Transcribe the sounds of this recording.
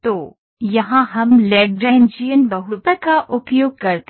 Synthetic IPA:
t̪oː | jɐɦãɦɐmleːɖ̚ɖɾɛːnd͡ʒijənbɐɦʊpəkaʔʊpjoːɡ̚kɐɾt̪

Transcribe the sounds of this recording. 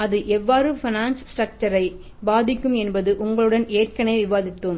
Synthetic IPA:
ɐðɯʔɛʋːaːɾɯfɪnaːnssʈɾɐk̚t͡ʃɐɾɐɪ | baːðɪkːɯmɛnbɐðɯʔʊŋɡɐɭɯɽɐneːrkɐnɐɪʋɪʋaːðɪt̪ːɯm

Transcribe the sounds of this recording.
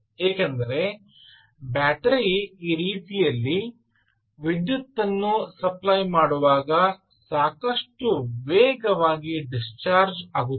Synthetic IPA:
ɦeːkend̪ɐɾe̞ | baːʈɐɾiiːɾiːt̪ijɐlːi | ʋid̪jut̪ːɐnːusɐplɐjmaːɽuʋaːɡɐ | saːkɐʂʈuʋeːɡɐʋaːɡiɖist͡ʃaːɾd͡ʒaːɡut̪ːe̥

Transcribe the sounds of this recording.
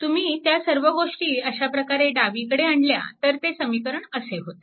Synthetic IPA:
t̪um̤iːt̪jasəɾʋəɡoʂʈiːəɕapɾəkaɾeɖaʋikəɽeaɳɖlja̰t̪əɾt̪esəmikəɾəɳəseɦot̪e̥

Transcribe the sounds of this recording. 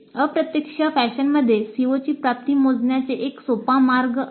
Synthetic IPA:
əpɾət̪jəkʂəfæɕənməd̪ʱːjesiʋot͡ɕiːpɾap̚t̪iːmod͡znjat͡seʔeksopamaɾɡ

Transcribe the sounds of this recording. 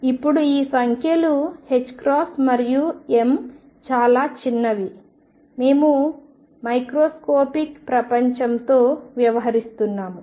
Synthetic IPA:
ipːuɽuiːsɐŋkʰjɐluhe̞t͡ʃːkɾaːsmɐɾjue̞m | t͡ʃaːlaːt͡ʃinːɐʋi | me̞ːmu | mɐjkɾoːskoːpikpɾɐpɐɲt͡ʃɐmt̪o̞ːʋjɐʋɐɦɐɾist̪unːaːmu

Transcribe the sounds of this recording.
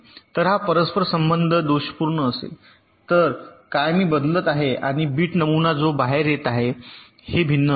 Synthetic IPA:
t̪əɾɦapəɾəspʰəɾsəmbənd̪ʱəd̪oɕə̥puɾɳəːsḛ | t̪əɾkajmiːbəd̪lət̪aɦea̰ɽ̃ibiːʈnəmunad͡zobaɦeɾjet̪aɦe | hebʱinːə

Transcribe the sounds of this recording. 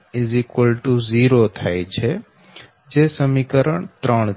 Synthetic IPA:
ɪzikʋəlʈuziɾot̪ʰajt͡ʃʰe | d͡ʒesəmikəɾəɳ̃t̪ɾəɳ

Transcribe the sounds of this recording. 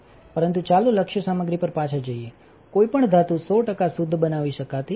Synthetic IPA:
pəɾənt̪ut͡ʃalũləkʃjəsaməɡɾipəɾpat͡ʃʰəd͡ʒəie | koipəɳd̪ʱat̪ũsoʈəkasud̪ʱːbənaʋiʃəkat̪i

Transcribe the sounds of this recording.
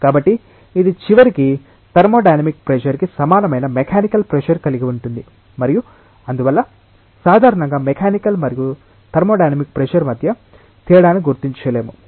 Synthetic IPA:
kaːbɐʈːiː | d̪it͡ʃiʋɐɾiki | t̪ɐɾmoːɖɐjnɐmik̚pɾeʃɐɾkisɐmaːnɐmɐjnɐmɛkʰaːnikɐlpɾeʃɐɾkɐliɡiuɳʈund̪i | mɐɾiju | ɐnd̪uʋɐlːɐ | saːd̪ʱaːɾɐɳɐŋɡaːmɛkʰaːnikɐlmɐɾiju | t̪ɐɾmoːɖɐjnɐmik̚pɾeʃɐɾmɐd̪ʱjɐ | t̪iːɾɐɽaːnikɡuɾt̪iɲt͡ʃɐleːmu

